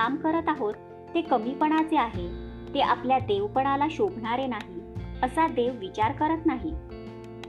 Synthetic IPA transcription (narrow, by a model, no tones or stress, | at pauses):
amkəɾət̪aɦot̪ː | ekəmipəɳ̃at͡seaɦe | t̪eʔa̰pljad̪eʋpəɳ̃alaɕobʱɳaɾenaɦiəsad̪eʋːit͡ɕaɾkəɾət̪naɦi